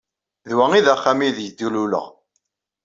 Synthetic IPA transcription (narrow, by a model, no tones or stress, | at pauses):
ðwæŋiðæχːamiðjəd̪ːululə̰ʁ